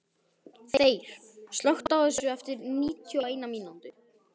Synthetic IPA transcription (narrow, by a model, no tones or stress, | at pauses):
θeeːjɾ̥ | st̪lɔxt̪aɔʏsʏʏɛft̪ɪɾniːt̪ʰjɔeːjnamiːnɔnt̪ʏ